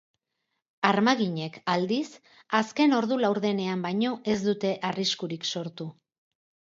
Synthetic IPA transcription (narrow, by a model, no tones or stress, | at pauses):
aɾmaɣiɲe̞kald̪is | aske̞no̞ɾðulawɾðe̞ne̞ambajɲo̞ʔe̞zd̪ut̪e̞ʔariskuɾikso̞ɾt̪u